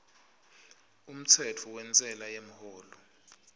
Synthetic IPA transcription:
um̩t͡sʰɛtʰuwɛnt͡sʼɛlajem̩hoːlɔ

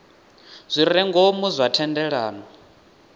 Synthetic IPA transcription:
z̥ʷiɾɛŋɡomuzʷatʰɛndɛɺaːnɔ

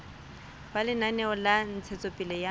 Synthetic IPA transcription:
balɪnanɛɔlan̩t͡sʰet͡sʼopʼilɛja

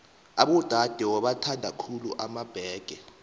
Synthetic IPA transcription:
aɓud̥ʱad̥ʱɛwɔɓatʰandʱakʰuluʔamab̥ʱɛːɡ̥ʱɛ

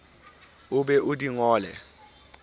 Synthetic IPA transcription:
ʊɓɛʔudiŋɔːlɛ̰

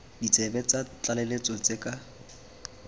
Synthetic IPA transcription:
dit͡sʼebɛt͡sʼat͡ɬalɛlet͡sʼɔt͡sʼekʼa

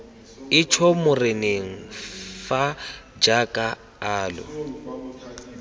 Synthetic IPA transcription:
ɪt͡ʃʰɔmʊrɪneŋ̩fa | d͡ʒakʼa | aːlɔ̰

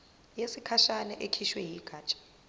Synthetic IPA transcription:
jesikʰaʃanɛʔekʰiʃwɛjiɡ̥ʱaːt͡ʃʼḁ

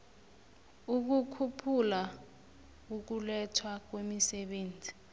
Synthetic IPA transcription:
uk̬ukʰupʰula | uk̬ulɛtʰwak̬wemisɛɓeːnd͡zʱi̥

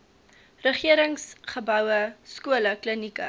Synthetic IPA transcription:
rəχiəɾəŋsχəbœwəskuələklənikə̰

